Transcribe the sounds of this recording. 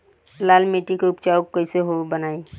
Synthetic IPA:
laːlmeʈikeʊpt͡ʃaokːəɪseɦobənaːi

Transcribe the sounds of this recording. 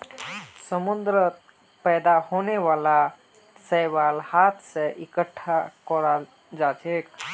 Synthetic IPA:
səmund̪ɾət̪ | pəjd̪ahoneʋala | səjbalhat̪ʰsẽʔikəʈʰːakɔɾa | d͡ʒat͡ʃek

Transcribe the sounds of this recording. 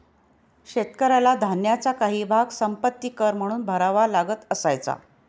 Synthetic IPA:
ɕet̪kəɾalad̪ʱanjat͡sakaɦiːbʱaɡsəmpət̪ːiːkəɾm̤əɽ̃uːnbʱəɾaʋalaɡət̪əsajt͡sa̰

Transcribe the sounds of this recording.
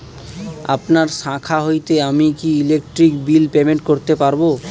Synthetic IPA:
a̰pnaɾʃãkʰaɦojt̪eamikiilek̚ʈɾikbilpemeɳʈ̚koɾt̪epaɾbo

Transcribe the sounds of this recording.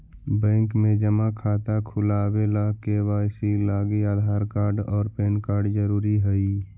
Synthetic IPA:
bɛ̃ːŋkmẽd͡ʒəmakʰaːt̪akʰʊlaːwelakewaːsilaːɡiaːd̪ʱaːɾkaːɾɖɔːɾpeːnkaːɾɖd͡ʒəɾuːɾiɦəiː

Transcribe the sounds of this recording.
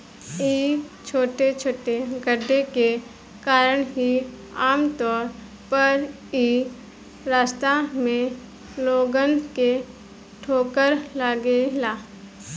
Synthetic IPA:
iːt͡ʃʰoːʈet͡ʃʰoːʈeɡəɖʱeke | kaːɾəɽ̃ɦi | aːmt̪ɔːɾ | pəɾ | iː | ɾaːst̪amẽ | loːɡənke | ʈʰoːkəɾlaːɡelaː

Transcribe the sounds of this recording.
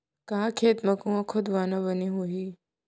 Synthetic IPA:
kakʰet̪məkũɐkʰod̪ʋanaʋəniɦoɦi

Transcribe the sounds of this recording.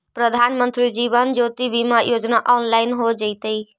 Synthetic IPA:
pɾəd̪ʱanmənt̪ɾid͡ʒiβənd͡ʒot̪ibimajod͡ʒnaʔɔːnlaɪnɦod͡ʒəɪt̪əi

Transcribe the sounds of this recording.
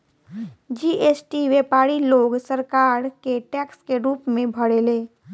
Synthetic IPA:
d͡ʒiːʔesʈiʋepaːɽiloːɡsəɾkaːɾkeʈɛːkskeɾuːpmẽbʱəɽeːleː

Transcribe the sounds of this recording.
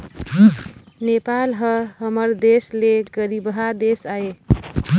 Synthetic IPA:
nepalɦəɦəməɾd̪esleɡəɾibɦad̪esae

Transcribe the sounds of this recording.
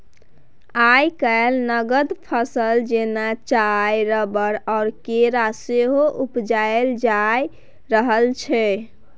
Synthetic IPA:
ajkəelnəɡəd̪pʰəsəld͡ʒenat͡ʃajɾəbəɾɔːɾkeɾaseɦoʔupd͡ʒaeld͡ʒaj | ɾəɦəlt͡ʃʰɛ

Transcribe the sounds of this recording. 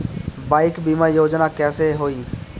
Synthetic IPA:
baːɪkbiːmaːjoːd͡ʒnaːkɛːseɦoːiː

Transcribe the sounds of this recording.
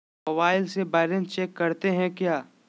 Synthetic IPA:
mobaːɪlsebaːɾə̃nt͡ʃeːkːɐɾt̪eɦɛ̃kjaː

